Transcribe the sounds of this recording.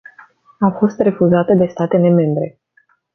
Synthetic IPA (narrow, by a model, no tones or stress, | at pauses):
afo̞st̪re̞fuzat̪əd̪e̞st̪at̪e̞le̞me̞mbɾe̞